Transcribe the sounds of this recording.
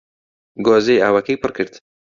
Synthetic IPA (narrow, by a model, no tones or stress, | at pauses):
ɡoːzejaːwɐkejpɨrkʰɨɾd̪